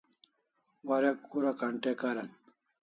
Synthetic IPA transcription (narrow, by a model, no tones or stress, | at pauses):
wɐɾɐkːuɾakaɳʈekaɾɐn